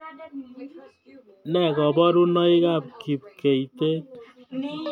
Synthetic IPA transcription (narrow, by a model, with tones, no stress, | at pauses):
nɛ˨kɔ˨bɔ˦ɾu˦nɔ˦i˦ka˦˨p̚ki˨p̚ke˨i˨t̪e˦t̚